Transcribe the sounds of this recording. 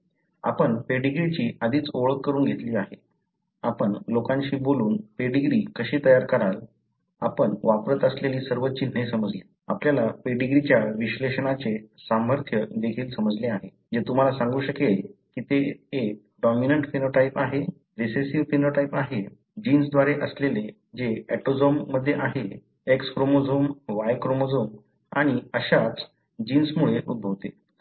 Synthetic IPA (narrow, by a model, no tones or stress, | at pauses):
a̰pəɳpeɖiɡɾit͡ɕiːʔad̪ʱiːt͡soɭəkːəɾuːnɡʱet̪liːaɦe | a̰pəɳlokãɲt͡ɕiːboluːnpeɖiɡɾiːkəɕiːt̪əjaɾkəɾal | a̰pəɳʋapɾət̪əsleliːsəɾʋətːt͡ɕin̤ːesəməd͡zliː | a̰pljalapeɖiɡɾit͡ɕjaʋiɕleɕəɳat͡sesaməɾt̪ʰjəd̪ekʰiːlsəməd͡zleaɦe | d͡ʑet̪um̤alasãŋɡuːɕəkekiːt̪eːk̚ | ɖɔminəɳʈfinoʈaipaɦe | ʋesesiʋfinoʈaipaɦe | d͡ʑiːnsd̪ʋaɾeʔəslele | d͡ʑeɛʈod͡zomːəd̪ʱːjeʔaɦe | ekskɾomod͡zomʋajkɾomod͡zom | a̰ɽ̃iəɕat͡s | d͡ʑiːnsmuɭeʔud̪̚bʱəʋt̪e